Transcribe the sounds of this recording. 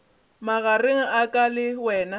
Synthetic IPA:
maɣareŋ̩akʼalɪwɛːna

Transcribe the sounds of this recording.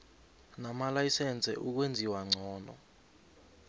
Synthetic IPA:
namalajisɛnt͡sʰʼɛ̰ʔuk̬wend͡zʱiwaŋ͡ǀʱɔːnɔ̰

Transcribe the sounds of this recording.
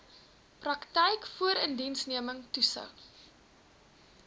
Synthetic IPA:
prɐktɛjkfuəɾəndinsniəməŋtusə̰w

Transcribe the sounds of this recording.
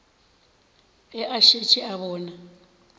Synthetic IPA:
ɛʔaʃet͡ʃʰiaβɔːna

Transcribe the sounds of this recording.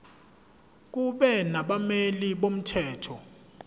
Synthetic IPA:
k̬uɓɛnaɓameliɓom̩tʰɛːtʰɔ

